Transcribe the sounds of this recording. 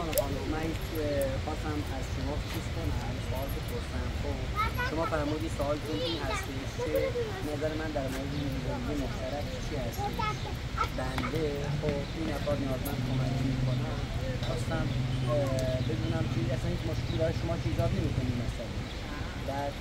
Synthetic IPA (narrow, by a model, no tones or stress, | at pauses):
nexɑːmumænhit͡ʃ | xɒːst̪æmæzʃomɒːft͡ʃʰizkʰonæmsoʔɒːlt̪ʰoboɾt̪æmxobʃomɒːfæɾmuːd̪iːsoɒːlt̪ʰunʔiːnhæst̪eʃcʲʰe̥ | næzæɾemænd̪æɾmoːɾe̞d̪enezænd̪emoxʃt̪æɾækt͡ʃʰiːhæst̪eʃ | bænd̪e̞ | xob | iːnæfɒːd̪nijɒːzemænkʰomækmikʰonæmxɒːst̪æm | be̞d̪uːnæmkʰeæsænhit͡ʃmoʃkʰilɒːjeʃomɒːt͡ʃʰiːzɒːk̪ʰemikʰoniːmæsæn | dæɾ